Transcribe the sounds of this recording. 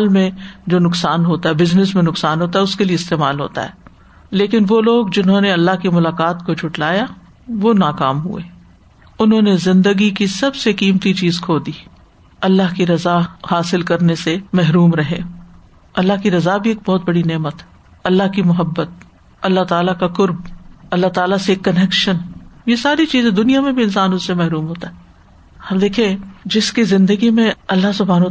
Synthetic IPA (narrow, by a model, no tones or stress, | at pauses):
aːlmẽd͡ʒoːnʊksaːnɦoːt̪aɦɛbɪznɪsmẽnʊksaːnɦoːt̪aɦɛʊskelieɪst̪eːmaːlɦo̰ːt̪a̰ɦɛ̰ː | leːkɪnʋoloːɡd͡ʒɪnɦõːneɐlːaɦkimʊlaːkaːt̪̚kod͡ʒʰʱʊʈlaːja | ʋoːnaːkaːmɦṵeː | ʊnɦõːnezɪ̃nd̪əɡikisɐbsekiːmt̪it͡ʃiːzkʰoːd̪iː | ɐlːaɦkiɾɐzahaːsɪlkɐɾnesemɛɦɾuːmɾɐɦe | ɐlːaɦkiɾɐzabʱieːk̚bɔːt̪̚bɐɽineːmət̪ɛ | ɐlːaɦkimʊɦəbːət̪̚ | ɐlːaɦt̪aːlakakʊɾbɐlːaɦt̪aːlaseːkːɐnekʃənjesaːɾit͡ʃiːzẽd̪ʊnijamẽbʱiɪnsaːnʊssemɛɦɾuːmɦoːt̪aɦɛː | ɐbd̪eːkʰiẽd͡ʒɪskizɪ̃nd̪əɡimẽɐlːaɦsʊbʱaːn